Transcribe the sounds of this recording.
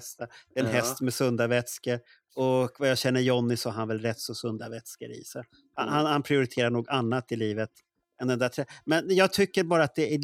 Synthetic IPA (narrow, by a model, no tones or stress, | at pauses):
st̪ad̪̥ɛɛnɦɛst̪mɛsɵnd̪avɛt̪skəɾ | ɔkvajɑːɕɛnːəɾjɔnːɪsɔhaɾhanvɛlɾɛt̪ːsɔsɵnd̪avɛt̪skəɾḭːsɛ | ha̰nhanhanpʰɾɪʊɾɪt̪ʰeːɾaɳuːɡanːat̪ɪliːvət̪ | ɛnd̪ɛnd̪æʈ̪ʰɾɛːmɛnjɑːɡ̚t̪ʰʏkːəɾbɑːɾat̪̚d̪ɛæ